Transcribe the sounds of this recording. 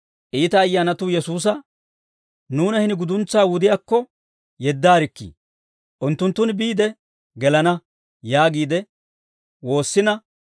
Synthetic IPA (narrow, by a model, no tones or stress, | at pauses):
ʔiːt̪ɐːjːaːnɐt̪ujɛsuːs̬ɐ | nuːnɐhɪnɪɡʊd̪ʊnt͡sːaːwʊd̪ɪjaːkːɔ | jɛd̪ːaːɾɪkːḭː | ʔʊnt̪ːʊnt̪ːʊnbiːd̪ɛ | ɡɛlɐnɐ | jaːɡiːd̪ɛ | wo̞ːsːɪnɐ